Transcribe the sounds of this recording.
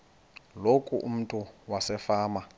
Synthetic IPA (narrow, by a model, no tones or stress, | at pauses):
lokʼuʔṵm̩tʼuwasɛfaːma